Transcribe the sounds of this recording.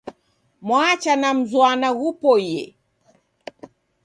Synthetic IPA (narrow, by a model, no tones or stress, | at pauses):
mwat͡ʃanam̩zwanaɣupɔjɛ̰